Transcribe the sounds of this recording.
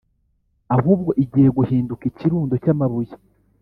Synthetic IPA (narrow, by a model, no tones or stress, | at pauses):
aɦuːb̚ɡo̞ʔiɟiːhe̞ɡuhiːndukiciɾuːndo̞camaβuje